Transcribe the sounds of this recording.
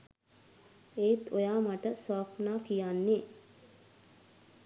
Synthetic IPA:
eːt̪ojaːmaʈəsaːfnaːkijanːe

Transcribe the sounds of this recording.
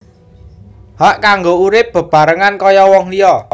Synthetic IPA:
haʔkaŋɡouɾɪp̚b̥ə̤b̥a̤ɾəŋankɔjɔwɔŋlijɔ

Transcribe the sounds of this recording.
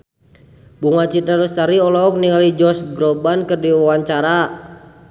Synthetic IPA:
buŋat͡ʃitaɾust̪aɾiɔlɔːk̚niŋalid͡ʒɔsɡɾɔbankɨrdiwawaɲt͡ʃaɾa

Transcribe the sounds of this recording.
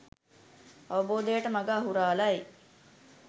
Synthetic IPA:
aʋəboːd̪ejəʈəmaɡaːɦuɾaːlɐe

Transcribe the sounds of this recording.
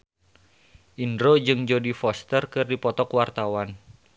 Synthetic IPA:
ʔindɾod͡ʒɨŋd͡ʒodifɔst̪ərkɨrdipɔt̪ɔkwart̪awan

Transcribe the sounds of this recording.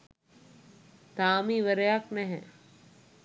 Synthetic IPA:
t̪aːmiʋəɾejaknɛɦɛ̃

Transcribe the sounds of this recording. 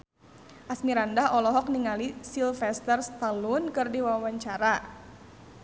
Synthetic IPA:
ʔasmiɾandaɦɔlɔɦɔk̚niŋalisilfɛst̪ərst̪alunkɨrdiwawaɲt͡ʃaɾa

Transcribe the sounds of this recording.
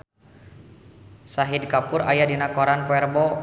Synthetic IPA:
saɦid̚kapʊɾa̰jadinakoɾanpɔɛrbɔ

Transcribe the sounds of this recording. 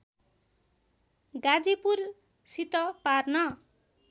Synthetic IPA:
ɡad͡zipur | sit̪ʌparnʌ

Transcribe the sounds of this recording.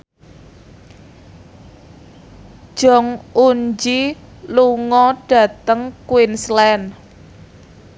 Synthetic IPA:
ʒ̥ɔ̤ŋuɲd͡ʒi | luŋɔɖ̥ä̤t̪əŋkwinslɛn

